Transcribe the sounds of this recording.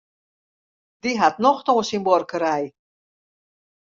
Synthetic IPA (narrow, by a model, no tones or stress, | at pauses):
d̪iɦat̪̚nɔχt̪ɔŋsimbɔɾkʰəɾaj